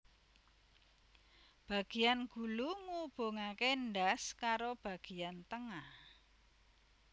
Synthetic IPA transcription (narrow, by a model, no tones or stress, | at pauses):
b̥a̤ɡ̥i̤janɡ̥ṳluŋub̥o̤ŋakenɖaskaɾob̥a̤ɡ̥i̤ant̪əŋah